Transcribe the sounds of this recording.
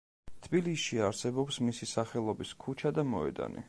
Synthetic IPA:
t̪ʰbiliʃiaɾsɛbɔpsmisisaχɛlˠɔbiskʰut͡ʃʰad̪amɔɛ̰d̪a̰nḭ

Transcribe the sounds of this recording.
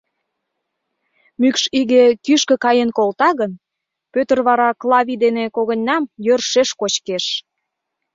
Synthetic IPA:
mykʃiɣekyʃkə̆kɑjenkolt̪ɑɣən | pøt̪ə̆rβɑɾɑklˠɑβid̪enekoɣə̆nʲːɑmjørʃeʃkot͡ɕkeʃ

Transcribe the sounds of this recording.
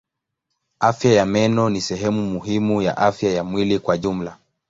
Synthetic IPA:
afjajamɛnɔnisɛɦɛmumuɦimuja̰ʔafjajamwilikwaʄum̩la

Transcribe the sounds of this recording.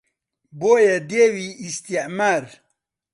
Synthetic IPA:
boːjed̪eːwiist̪iʔmaɾ

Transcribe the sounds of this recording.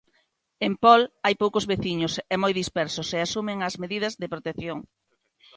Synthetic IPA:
empɔlajpowkozβeθiɲʊsɛmojðispɛɾsʊseasumɪŋɐzmeðiðɐzðɪpɾot̪eθjoŋ

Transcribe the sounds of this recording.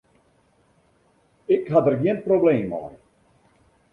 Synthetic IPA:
ɪkɦatərɡiənprobleːmɔ̰j

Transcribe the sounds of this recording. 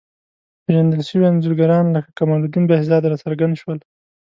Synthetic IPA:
peʒand̪əlʃəwianzuɾɡaɾɑnləkakamɑlud̪inbehzɑd̪ɾɑsaɾɡand̪ʃwəl

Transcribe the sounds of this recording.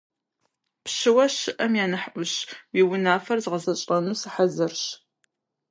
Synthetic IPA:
pʃɨwɐʃɨʔɐmjaːnɨħʔʷʊɕwiwʊnaːfɐrzʁəzɐɕʼrɐnuːsɨħazɨrɕ

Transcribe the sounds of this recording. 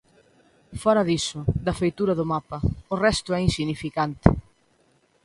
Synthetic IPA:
fɔɾɐðisʊðɐfejt̪uɾɐðʊmapɐʊrɛst̪ʊɛinsinifikant̪ɪ̰

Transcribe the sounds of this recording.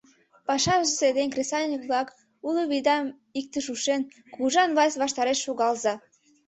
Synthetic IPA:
pɑʃɑʒəzed̪enʲkresɑlʲnʲikβlɑk | uləβid̪ɑm | ik̚t̪əʃuʃen | kuʒɑnβɑsβɑʃt̪ɑɾeʃːoɣɑlzɑ

